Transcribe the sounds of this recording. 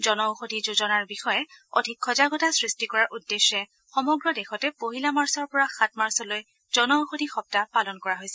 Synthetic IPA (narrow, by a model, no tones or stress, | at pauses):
zɔnɔʊxodʱizozɔnaɹbixɔjɛo̰dʱikʰːɔzaɡɔtasɹistikɔɹaɹʔudːeʃːɛ | xɔmɔɡɹɔdexɔtɛpoɦilamaɹsɔɹpɔɹaxatmaɹsɔloj | zɔnɔxodʱixɔp̚tapalɔnkɔɹaɦojsɛ